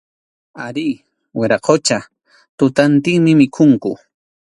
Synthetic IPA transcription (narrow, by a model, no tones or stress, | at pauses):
aɾi | wɪɾaqʰot͡ʃa | t̪ʊt̪ant̪ɪŋmɪmɪkʰʊŋkʊ